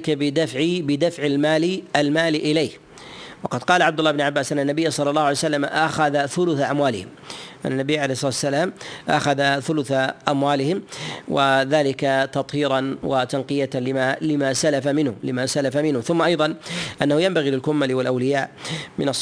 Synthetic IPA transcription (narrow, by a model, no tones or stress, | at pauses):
kabɪd̪afʕibɪd̪afʕɪlmaːliʔalmaːlʔɪleːh | wɑqɑd̪qɑːlaʕab̚d̪ʊlːɑhɪbnʊʕabːaːsʔanːanːabɪjːasˤɑlːɑlːɑːhʊʕaljsalːamʔaxaðaθʊlʊθaʔamwaːlɪ̰hɪm | ʔa̰nːanːabɪjːʕalejhsˤɑːt̪sːalaːmʔa̰xaðaθʊlʊθaʔamwaːlɪhɪmwʔaðaːlɪkat̪ɑt̪ˤhiːɾˤɑnwat̪anqɨjaɪalɪmasalafamɪnhʊmlɪmasalafamɪnhʊmθʊmːaʔɑjðˤɑnʔanːahʊjambaɣilɪlkʊmːalɪwalʔawlɪjaːʔmɪnɑs